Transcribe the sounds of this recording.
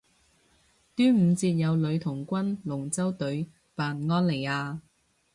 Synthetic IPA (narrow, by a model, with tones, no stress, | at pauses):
t̪yː˥m̩ː˨˧t͡siː˧t̚jɐ˨˧wlɵ˨˧ɥt̪ʰʊ˨˩ŋkʷɐ˥nlʊ˨˩ŋt͡sɐ˥wt̪ɵ˨˥ɥ | paː˨nŋɔː˥nle˨˩jaː˧